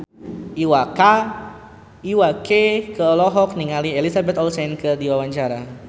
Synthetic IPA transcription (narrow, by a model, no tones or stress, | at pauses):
ʔiwaka | iwakekəɔlɔɦɔk̚niŋalielisabɛt̪ɔlsɛnkərdiwawaɲt͡ʃaɾa